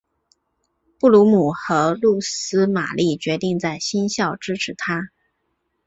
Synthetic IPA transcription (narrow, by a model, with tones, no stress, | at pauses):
pu˥˩lu˧˥mu˨˩xɤ˧˥lu˥˩sɹ̩˥ma̰˨˩lʔi˥˩t͡ɕɥɛ˧˥t̪i˥˧ŋt͡sa˥˩ɪɕi˥nɕjɑ˥˩ʊʈ͡ʂɻ̩˥ʈ͡ʂʰɻ̩˧˥t̪ʰa˥